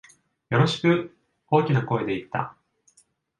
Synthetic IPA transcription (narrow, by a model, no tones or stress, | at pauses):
jo̞ɾo̞ɕi̥kɯ̟ | o̞ːkʲinako̞ed̪e̞it̪ːa̰